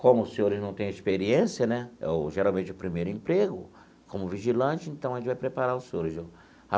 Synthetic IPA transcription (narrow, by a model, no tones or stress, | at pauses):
kõmʊsẽɲoɾɪznɐ̃w̃t̪ẽj̃ɐespeɾiẽsiɐnɛo̰ʒeɾawmẽnt͡ʃɪʊpɾimejɾʊĩpɾeɡʊ | kõmʊviʒilɐ̃t͡ʃɪẽnt̪ɐ̃w̃ɐʒẽt͡ʃɪvajpɾepaɾaɾʊseɲoɾɪzo | a